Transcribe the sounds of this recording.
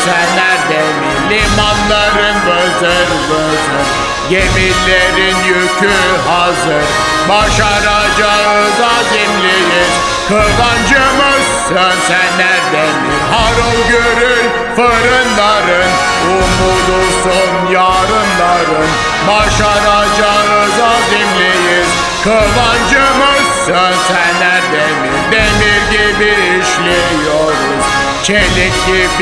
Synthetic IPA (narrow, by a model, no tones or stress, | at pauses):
sænːæɾd̪eminlʲimanlˠaɾɯnvɯzɯɾlɯ | zɯn | ɟemiɾlʲeɾinjyt̪ʰy | ɦa | zɯɾ | baʃaɾa | d͡ʒa | ɯzaɟimlʲeɾin | kʰɯzand͡ʒɯmɯs | ɯnsɛnːæɾd̪eminɦaɾolˠɡøɾyɾ | fɯɾɯnlˠaɾɯn | um | ud̪usonjaːɾɯnlˠaɾɯn | maʃaɾa | d͡ʒaɾɯzad̪imlʲejin | kʰɯband͡ʒɯmɯs | ɯnsænlːæɾd̪enːind̪eniɾɟibiɾiʃlʲe | joɾʊn | t͡ʃʰelikʲlib